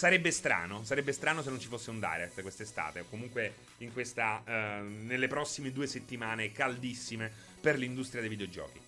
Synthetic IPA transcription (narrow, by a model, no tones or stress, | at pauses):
saɾɛbːest̪ɾa̰ːnosaɾɛbːest̪ɾaːnos̬enːont͡ʃifosːeund̪a̰jɾet̪ːkwest̪est̪a̰ːt̪eokːomuŋkwe | iŋkwest̪a | nelːepɾɔsːimed̪uːeset̪ːimaːnekald̪isːime | perlind̪ust̪ɾjad̪ejvid̪eod͡ʒɔ̰ːk̟i